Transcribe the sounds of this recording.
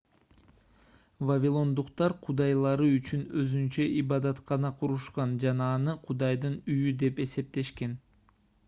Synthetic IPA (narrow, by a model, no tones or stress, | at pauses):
vavʲilˠo̞nd̪uqt̪ɑɾqʰud̪ɑjlˠɑɾɯyt͡ʃynøzynt͡ʃøʔibɑd̪ɑt̪qɑnɑqʰuɾuʃqɑnd͡ʒɑnɑːnɯqʰud̪ɑjd̪ɯnyjyd̪e̞pe̞se̞p̚t̪e̞ʃke̞n